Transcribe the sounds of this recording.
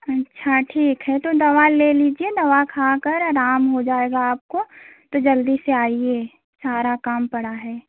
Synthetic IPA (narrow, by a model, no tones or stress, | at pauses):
ɐtːʃʰaʈʰiːkɦɛt̪od̪ɐʋaleːliːd͡ʒied̪ɐʋakʰakɐɾɾaːmɦod͡ʒaːeːɡaaːp̚kot̪od͡ʒɐld̪iseaːieː | saːɾakaːmpɐɽaɦɛː